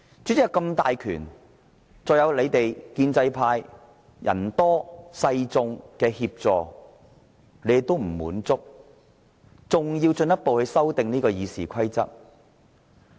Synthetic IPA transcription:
t͡ʃyː˨˥t͡sɪ˥˨˩kɐ˧mt̪aː˨jkʰy̰ː˨˩n | t͡sɔː˨jɐ˨˧wle˨˧jt̪e˨jkiː˧nt͡sɐ˧jpʰaː˧j | jɐ̰˨˩nt̪ɔː˥sɐ˧jt͡sʊ˧ŋkɛː˧hiː˧p̚t͡sɔː˨ | le˨˥jɪ˨k̚t̪o˥wm̩˨˩mṵː˨˥nt͡sʊ˥k̚ | t͡sʊ˨ŋji˧wt͡sɵ˧njɐ˥t̚po˨whɵ˧ɥsɐ˥wt̪ɪ˨ŋniː˥kɔː˧jiː˨˧siː˨kʷʰɐ˥jt͡sɐ˥t̚

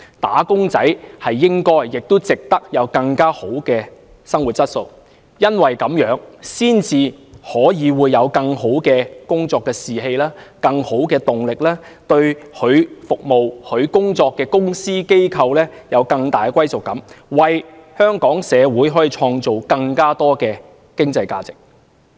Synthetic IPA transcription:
t̪a̰ː˨˥kʊ˥ŋt͡sɐ˨˥jhɐ˨jːɪ˥ŋkɔː˥jːɪ˨k̚t̪o˥wt͡sɪ˨k̚t̪ɐ˥k̚jɐ˨˧wkɐ˧ŋkaː˥ho˨˥wkɛː˧ | sɐ˥ŋwu˨t̚t͡ssɐ˥t̚so˧w | jɐ˥nwɐ˨jkɐ˨˥mjœː˨˥ŋsiː˥nt͡sʰiː˨˧hɔː˨˥jiː˨˧wuː˨˧jːɐ˨˧wkɐ˧ŋho˨˥wkɛː˧kʊ˥ŋt͡sɔː˧kːɛː˧siː˨ɦe˧jlaː˥kɐ˧ŋho˨˥wkɛː˧t̪ʊ˨ŋlɪ˨k̚laː˥ | t̪ɵ˧ɥhɵ˨˧ɥfʊ˨k̚mo˨whɵ˨˧ɥkʊ˥ŋt͡sɔː˧kːɛː˧kʊ˥ŋsiː˥ke˥jkʰɐ˧wlɛː˥jɐ˨˧wkɐ˧ŋt̪aː˨jkwɐ˥jsʊ˨kːɐ˨˥mwɐ˨jhœː˥ŋkɔː˨˥ŋsɛː˨˧wuː˨˥jɦɔː˨˥jiː˨˧t͡ʃʰɔː˧ŋt͡so˨wkɐ˧ŋkaː˥t̪ɔː˥kɛː˧ | kɪ˥ŋt͡sɐ˧jka̰ː˧t͡sɪ̥˨k̚

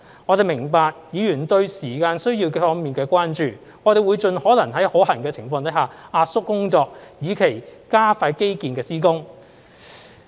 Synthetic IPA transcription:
ŋɔː˨˧e˨jmɪ˨˩ŋpaː˨˧k̚jiː˨˧jyː˨˩nt̪ɵ˧ɥsiː˨˩kaː˧nsɵ˥ɥjiː˧wkɛ˧fɔː˧˥ŋmiː˨nkɛː˧kwaː˥nt͡ʃyː˨ | ŋɔː˨˧t̪e˨jwu˨˧jt͡ʃɵ˨˧nhɔː˨˥lɐ˨˩ŋɦɐ˨˥jhoː˨˥hɐ˨˩ŋkɛː˧t͡sʰɪ˨˩ŋfɔː˧ŋt̪ɐ˨˥haː˨˩aː˧t̚sʊ˥kːʊ˥ŋt͡sɔː˧k̚jiː˨˧kʰe˨˩jkaː˥faː˧jke˥jkiː˧nkɛː˧siː˥kʊ˥ŋ

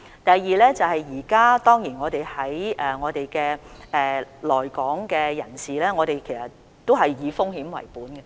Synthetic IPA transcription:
t̪ɐ˨jːiː˨˧lɛː˥t͡sɐ˨whɐ˨jjiː˨˩kaː˥t̪ɔː˥ŋjiː˨˩nŋɔː˨˧t̪e˨jhɐ˨˥jʔɛː˨ŋɔː˨˧t̪e˨jkɛː˧ɛː˨lɔː˨˩jkɔː˨˥ŋkɛː˧jɐ̰˨˩nsiː˨lɛː˥ŋɔː˨˧ɾe˨jkʰe˨˩sɐ˨˩t | t̪o˥wɦɐ˨jːiː˨˧fʊ˥ŋhiː˨˥mwɐ̰˨˩jpuː˨˥nɡɐ˧

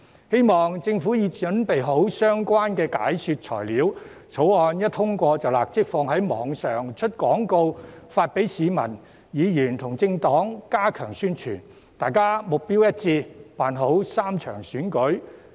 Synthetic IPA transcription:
he˥jmɔː˨˩ŋt͡sɪ˧ŋfuː˨˥jiː˨˧t͡ʃɵ˨˥npe˨jɦo˨˥wsœː˥ŋkʷaː˥nkɛː˧ka̰ː˨˥jsyː˧t̚t͡ʃʰɔ̰ː˨˩jliː˨˥w | t͡sʰo˨˥wɔː˧njɐ˥t̪ʰʊ˥ŋkʷɔː˧t͡sɐ˨wla̰ː˨˩k̚t͡sɪ˥k̚fɔː˧ŋɦɐ˨˥jmɔ̰ː˨˧ŋsœː˨˩ŋt͡ʃʰɵ˥t̚kɔː˨˥ŋko˧wfaː˧t̚pe˨˥jsiː˨˧mɐ˨˩n | jiː˨˧jyː˨˩nt̪ʰʊ˨˩ŋt͡sɪ˧ŋt̪ɔː˨˥ŋkaː˥kʰœː˨˩ŋsyː˥nt͡ʃʰy̰ː˨˩n | t̪aː˨jkaː˥mʊ˨˩k̚piː˥wjɐ˥t̚t͡siː˧paː˨nɦo˨˥wsaː˥mt͡ʃʰœ̰ː˨˩ŋsyː˨˥nkɵ˨˥ɥ

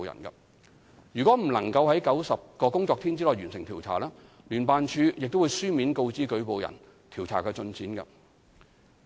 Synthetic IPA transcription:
jɐ̰˨˩nkɐ̰˧ | jyː˨˩kʷɔː˨˥m̩˨˩lɐ˨˩ŋkɐ˧wɦɐ˨˥jkɐ˨˥wsɐ˨p̚kɔː˧kʊ˥ŋt͡sɔː˧k̚t̪ʰiː˥nt͡si˥lɔː˨˩jɥyː˨˩nsɪ˨˩ŋt̪ʰiː˨˩wt͡sʰa̰ː˨˩laː˥ | lyː˨˩npaː˨nt͡ʃʰyː˧jɪ˨k̚t̪o˥wu˧jsyː˥mi˨˥nko˧wt͡siː˥kɵ˨˥ɥpo˨wjɐ̰˨˩n | t̪ʰiː˨˩wt͡sʰa̰ː˨˩kɛː˧t͡sɵ˧nt͡siː˨˥nkɐ˧

